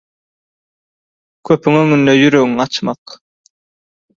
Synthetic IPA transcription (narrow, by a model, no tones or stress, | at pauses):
kʰøpyŋøŋynd̪øjyɾøɡiŋɑt͡ʃmɑq